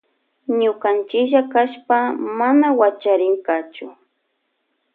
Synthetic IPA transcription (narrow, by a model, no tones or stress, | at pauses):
ɲʊkant͡ʃɪʒakaʃpamanawat͡ʃaɾɪŋkat͡ʃʊ